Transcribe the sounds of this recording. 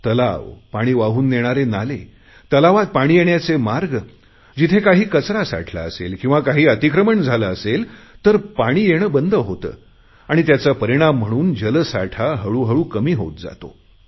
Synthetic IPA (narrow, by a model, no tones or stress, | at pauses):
t̪əlaʋpaɽ̃iːʋaɦuːnːeɽ̃aɾenale | t̪əlaʋat̪̚paɽ̃iːjeɳjat͡semaɾɡ | d͡ʑit̪ʰekaɦiːkət͡sɾasa̰ʈʰla̰əsḛlkĩw̃ʋakaɦiːət̪ikɾəməɳd͡zʱaləəselt̪əɾpaɽ̃iːjeɽ̃əbənd̪əɦot̪ə̰ː | aɽ̃it̪jat͡sapəɾiɽ̃am̤ːəɽ̃uːnd͡ʑələsa̰ʈʰaɦəɭuːɦəɭuːkəmiːɦo̰t̪̚d͡za̰t̪o̰